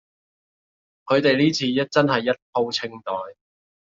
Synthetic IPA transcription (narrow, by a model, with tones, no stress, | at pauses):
kʰɵ˨˧ɥt̪e˨jliː˥t͡sʰiː˨˧jɐ˥t̚t͡sɐ˥nhɐ˨jːɐ˥t̚pʰo˥wt͡sʰɪ˥ŋt̪ɔː˨j